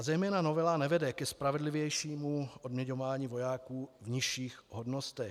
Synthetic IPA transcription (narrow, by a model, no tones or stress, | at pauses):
azɛjmɛːnano̞vɛlanɛvɛdɛkɛspɾavɛdlivjɛjʃiːmuʔodmɲɛɲovaːɲiːvo̞jaːkuːvɲɪʃiːxɦodnost̪ɛx